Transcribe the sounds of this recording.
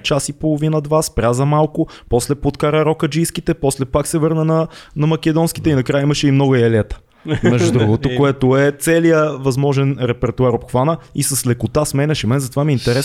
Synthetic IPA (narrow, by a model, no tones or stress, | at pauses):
t͡ʃasipolˠʊvinəd̪vaspɾʲazɐmalˠkʊpɔslɛpot̪kaɾəɾɔkəd͡ʒiskit̪ɛpɔslɛpaksɛvɤɾnənɐnɐmɐk̟ɛd̪ɔnskit̪ɛinɐkɾajəimɐʃɛimnɔɡɐɛlʲɛt̪ə̥ | mɛʒdud̪ɾuɡot̪okkoɛt̪ʊɛt̪sɛlijəvɐzmɔʒɛnɾɛpɛɾt̪uaɾopxvanəisɐslɛkʊt̪asmɛnɛʃimɛnzɐt̪ovamiːnt̪ɛɾɛ